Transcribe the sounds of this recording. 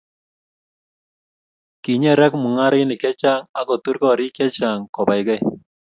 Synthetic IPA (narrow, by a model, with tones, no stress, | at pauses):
ki˨ɲɛ˦ɾɛ˦kmu˨ŋa˦ɾɪ˦nɪ˨kɛ˦t͡ʃa˦ŋa˦kɔ˨t̪u˦ɾkɔ˦˨ɾi˦kɛ˦t͡ʃa˨ŋkɔ˨ba˨jɡɛ˦